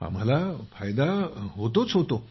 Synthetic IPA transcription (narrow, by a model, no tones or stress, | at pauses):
a̰mɦalafʰajd̪aɦot̪ot͡sɦot̪o